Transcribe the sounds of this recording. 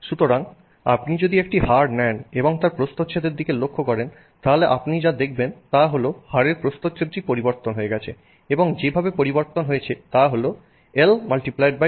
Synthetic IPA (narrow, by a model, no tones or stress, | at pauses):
ʃut̪oɾaŋ | a̰pnid͡ʑod̪iekʈihaɾnɛneboŋt̪aɾpɾost̪ot̪ːɕʰʃʰed̪eɾd̪ikelokʰːokɔɾen | t̪aɦoleʔapnid͡ʑad̪ek̚ʰbent̪aɦolohaɾeɾpɾost̪ot̪ːɕʰed̪ɾipoɾiboɾt̪onɦoeɡɛt͡ɕʰe | eboŋd͡ʑebʱabepoɾiboɾt̪onɦojet͡ɕʰet̪aɦolo | elmalʈiplajɖ̚ba